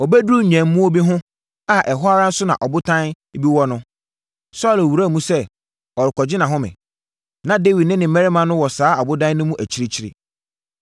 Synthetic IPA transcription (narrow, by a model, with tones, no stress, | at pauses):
ɔ˨bæ˦du˦˨ɲæ̃˨mː˦ũ˦o˦bi˦ɦʊ̃˦ | a˨ʔɛ˨ɦʊ˦a˦ɾa˦n̩˦sʊ˦nã̰˨ʔɔ˨bʊ˦tʰã˦n˦ | bi˦wɔ˦nʊ̃˦ | sɔ˦˨læ˨wu˨ɾæ˦˨mũ˦sɛ˦ | ɔ˨ɾɪ˨kʰɔ˨d͡ʑɪ˦nã˨ɦʊ̃˦mɪ̰̃˨ | nã˨de˦wi˨dnɪ̃˦nɪ̃˨mɛ˦ɾɪ˦mã˨nʊ̃˦wɔ˨saː˨˦a˨bʊ˦dã˦n˦nʊ̃˦mũ˦ʔæ˨t͡ɕʰi˨ɾi˦t͡ɕʰi˨˦ɾɪ̰˨